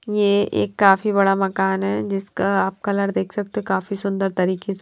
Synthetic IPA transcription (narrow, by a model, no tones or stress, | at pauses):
jeʔḛːkːaːfibɐɽamɐkaːnɦɛd͡ʒɪskaaːp̚kalɐɽd̪eːkʰsɐk̚t̪ekaːfisʊ̃nd̪əɾt̪ɐɾiːkes